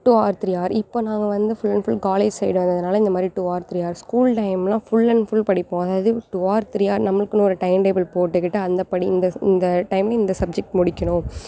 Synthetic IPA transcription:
ʈuaːɾt̪ɪɾɪjaːɾɪpːoːnãːŋɡɐʋɐnd̪ɯfʊlːɐnfʊlkaːleːd͡ʒsɛjɽɯ̃ɐɐðɐnaːlɐɪnd̪ɐmaːd̪ɾiʈuaːɾt̪ɪɾɪjaːɾskuːlʈɐɪmlãːfʊlːɐnfʊlpɐɽɪpːõːɐðaːʋɐðɯʈuaːɾt̪ɪɾɪjaːɾnɐmːɐɭɯkːɯnʊ̃ɔɾɯʈɐɪmʈeːbɐlpoːʈːɯkːɪʈːɯɐnd̪ɐpɐɽiɪ̰nd̪ɐɪ̰nd̪ɐʈɐɪmlɐɪnd̪ɐsɐb̚d͡ʒɛk̚ʈmʊɽɪkʲːɐɳʊ̃ː

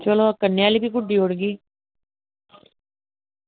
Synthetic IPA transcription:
t͡ʃəloːkəneaːliːbiːɡʊɖːiːoɽɡiː

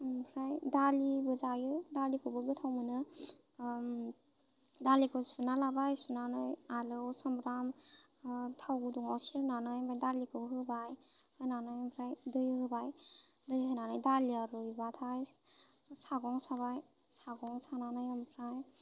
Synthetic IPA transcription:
mpʰɾajdalibɯzajɯdalikʰɯbɯdɯtʰawmɯnɯ | dalikʰɯsunalabajsunanɯjalɯwsambɾam | tʰawɡuduŋawsiɾnanɯjmbʰajdalikʰɯɦɯbaj | hɯnanajmpʰɾajdɯjɯhɯbaj | dɯjɦɯnanɯjdaliaɾujbatʰaj | saɡɔŋsaβaj | saɡɔŋsananɯjampʰɾaj

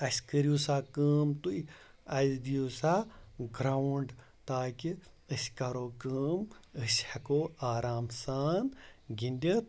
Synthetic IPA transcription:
ɐsʲkəɾijuːsaːkəːmt̪ui | ɐzd̪ijuːsaɡɾaɳɖ | t̪aːki | əsʲkɐɾoːkəːməsʲhɐkoːaːɾaːmsaːnɡinʲd̪ʲet̪

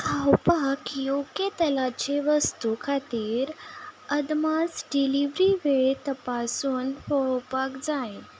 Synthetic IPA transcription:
kʰawpakjoket̪əlat͡ɕeʋəst̪ukʰat̪iːɾəd̪masɖiliʋɾiʋeɭt̪əpasuːnhowpakd͡zaj

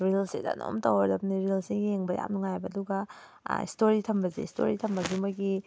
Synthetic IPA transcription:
ɾilseda̰no̰mtɐwɐɾdɐpniɾilsiɡijeŋbɐja̰mnuŋajbɐːduɡɐ | ḭstoɾitʰɐmbɐzḭstʰo̰ɾitʰɐmbɐɡimɐɡi

